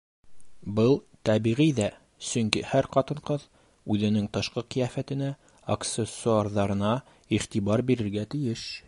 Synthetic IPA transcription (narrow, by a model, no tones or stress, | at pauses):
bɤlˠ | t̪æβiʁijðæ | sɵŋkihæɾqɑt̪ɤ̆ɴqɤð | ʉðɘ̆nɘŋt̪ɤ̆ʃqɤqĭjæfæt̪ɘ̆næ | ɐkt̪sesːuɑɾðɑɾɤ̆nɑ | iχt̪iβɑɾbiɾɘ̆ɾɡæt̪ɘ̆jɘʃ